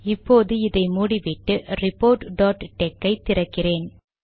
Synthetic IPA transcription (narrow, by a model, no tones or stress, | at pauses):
ɪpːoːðɯɪðɐɪmuːɽiʋɪʈːɯrɪpːoːɾʈɖoːʈʈːɛkːɐɪt̪ːɪɾɐkːɪreːn